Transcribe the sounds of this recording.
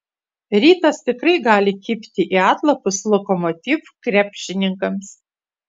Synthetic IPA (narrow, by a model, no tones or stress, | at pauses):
ɾʲiːt̪ɐst̪ʲɪkɾɐɪɡɑːlʲɪkʲɪpʲt̪ʲɪʔiːɑːt̪lˠɐpʊslˠɔkomɔt̪ʲifkɾʲæːpʲʃʲɪnʲɪŋkɐms